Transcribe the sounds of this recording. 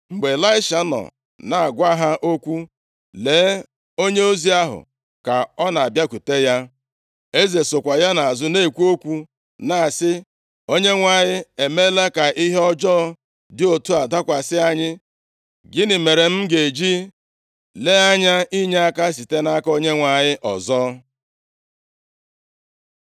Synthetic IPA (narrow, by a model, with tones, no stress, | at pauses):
ŋ͡m̩˨ɡ͡be˨la˦ɪ˦ʃa˨˦nɔ̰˨ | na˨a˨ɡʷa˦ɦa˦ʔo˦kʷu˦ | leː˨˦ | o˦ɲe˦o˦zi˦a˦ɦʊ̰˨ | ka˨ɔ˦na˨a˨bja˦kʷu˨te˦ja˦ | e˦ze˨sʊ˨kʷa˨ja˦na˨a˨zʊ˦ne˦˨kʷu˦o˦kʷu˦ | na˨sɪ˦ | o˦ɲe˦ŋʷa˨ɲɪ˦e˨me˦la˦ka˨ʔi˦ɦe˦ɔ˦d͡ʒɔː˦ | dɪ˦o˨tu˦a˨da˦kʷa˨sɪ˦a˨ɲɪ˦ | ɡɪ˦nɪ˨me˨ɾe˨m̩˦ɡe˨d͡ʒi˦ | le˦a˦ɲa˦i˦ɲe˦a˦ka˦s̬i˨te˦na˦ko˦ɲe˦ŋʷa˨ɲɪ˦ʔɔ̰˨zɔː˦